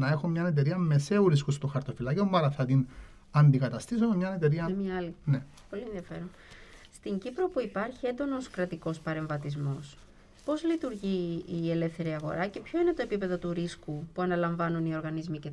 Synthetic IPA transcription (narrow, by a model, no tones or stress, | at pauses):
nɐe̞xomɲɐne̞t̪e̞ɾiɐme̞se̞uɾiskust̪oxɐɾt̪ofilɐciomːɐɾɐθɐt̪in | ɐnd̪ikɐt̪ɐst̪is̬omemɲɐnet̪e̞ɾiɐmɲɐɐline | po̞lienðiɐfe̞ɾon | st̪iɲɟipɾo̞puipɐɾçie̞nd̪o̞no̞skɾɐt̪iko̞spɐɾe̞ɱvɐt̪izmo̞s | po̞zlit̪uɾʝiːe̞le̞fθe̞ɾiɐɣo̞̰ɾɐce̞pço̞ine̞t̪o̞epipe̞ðo̞t̪uɾiskupuɐnɐlɐɱvɐnunio̞ɾɣɐnizmice